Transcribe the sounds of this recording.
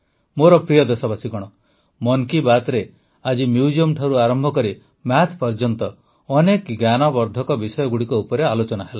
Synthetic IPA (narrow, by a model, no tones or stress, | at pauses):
moɾɔpɾijɔd̪esɔbasiɡɔɽ̃ɔ | mɔŋkibat̪ɾe | ad͡ʒimjud͡ʒiɔmʈʰaɾuaɾɔmbʱɔkɔɾi | mat̪ʰpɔɾd͡ʒɔnt̪ɔ | ɔnekɡjanɔbɔɾd̪ʱɔkɔbisɔjɔɡuɽikɔupɔɾealot͡ʃɔnaɦela